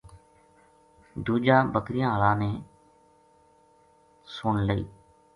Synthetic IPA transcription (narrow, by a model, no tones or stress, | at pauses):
d̪uːd͡ʒaːbəkɾɪjãːəɭãːneː | sʊɳləḭː